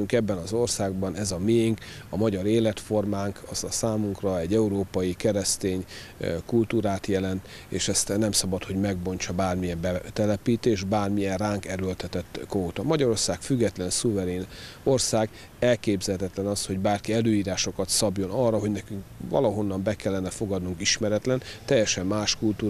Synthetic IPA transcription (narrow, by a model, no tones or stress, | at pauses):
yŋkɛbːɛnɒzo̞rsaːɡbɒnɛzɒmeŋkɒmɒɟɒɾeːlɛt̪fo̞rmaːŋkʰɒzɒsaːmuŋkrɒɛɟːɛuɾoːpɒjikɛɾɛst̪eːɲ | kult̪uːɾaːt̪jɛlɛnt̪ | ḛːʃɛst̪nɛmsɒbɒt̪ho̞ɟmɛɡbo̞ɲt͡ʃɒbaːrmijɛmbɛt̪ɛlɛpiːt̪eːʃbaːrmijɛnraːŋkɛɾølt̪ɛt̪ɛt̪ːkoːt̪ɒmɒɟɒɾo̞rsaːkfyɡːɛt̪lɛnsuvɛɾeːno̞rsaːɡ | ɛlkeːbzɛlt̪ɛt̪lɛnɒsho̞ɟbaːrkiɛløːjiːɾaːʃo̞kɒt̪sɒbjo̞nɒrːɒɦo̞ɟnɛkyŋkvɒ̰lɒɦo̞nːɒmbɛkɛlːɛnɛfo̞ɡɒd̪nuŋkiʃmɛɾɛt̪lɛnt̪ɛjːɛʃɛmːaːʃkult̪uː